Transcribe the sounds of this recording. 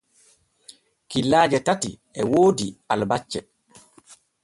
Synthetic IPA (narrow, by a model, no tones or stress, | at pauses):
kilːaːd͡ʒɛtati | ɛwoːdialbat͡ʃːɛ